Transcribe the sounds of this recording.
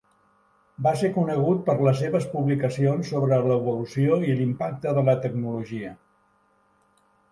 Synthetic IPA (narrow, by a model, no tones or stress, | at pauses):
basekunəɣ̞ut̪̚pəɾləs̬eβəspuβlikəsionsːoβɾələːβulusioilimpak̚t̪əðələt̪əɡnuluʒiə